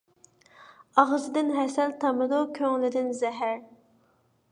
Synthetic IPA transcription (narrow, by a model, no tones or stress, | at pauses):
ɑʁzɨd̪ɪnɦɛsɛlt̪ʰɑmɨd̪ukʲʰøŋlɪd̪ɪnzɛɦæɾ